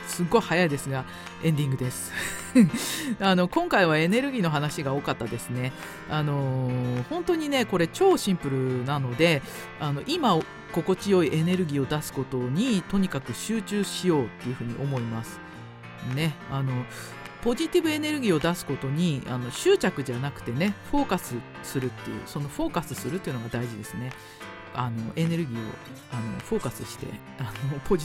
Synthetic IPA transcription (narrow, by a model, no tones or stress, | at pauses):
sɨɡːo̞ihajaid̪e̞sɨɡa | ẽ̞nd̪ʲĩŋɡɯ̟d̪e̞sɨ̥ | ano̞kõ̞ŋkaiβ̞ae̞ne̞ɾɯ̟ɡʲiːno̞ɦanaɕiɡao̞ːkat̪ːad̪e̞sɨne̞ | ano̞hõ̞nt̪o̞ɲ̟ine̞ko̞ɾe̞t͡ɕo̞ːɕĩmpɯ̟ɾɯ̟nano̞d̪e̞ | ano̞ʔimao | ko̞ko̞t͡ɕijo̞iʔe̞ne̞ɾɯ̟ɡʲiːo̞d̪asɨ̥ko̞t̪o̞ɲ̟it̪o̞ɲ̟ikakɯ̟ɕɨːt͡ɕɨːɕijo̞ːt̪ːe̞jiɯ̟ɸɯ̟ːɲ̟ḭʔo̞mo̞imasɨ̥ | ne̞ano̞ | po̞ʑit̪ibɯ̟e̞ne̞ɾɯ̟ɡʲiːo̞d̪asɨ̥ko̞t̪o̞ɲ̟ia̰no̞ɕɨːt͡ɕakɯ̟ʑanakɯ̟̥t̪e̞ne̞ɸo̞ːkasɨ | sɨɾɯ̟t̪ːejɯ̰ːso̞no̞ɸo̞ːkasɨsɨɾɯ̟t̪ːeiɯ̟noɡad̪aiʑid̪e̞sɨne̞ | ano̞ʔe̞ne̞ɾɯ̟ɡʲiːo̞̰ | ano̞̰ɸo̞ːkasɨɕi̥t̪e̞̰ | anopo̞ʑi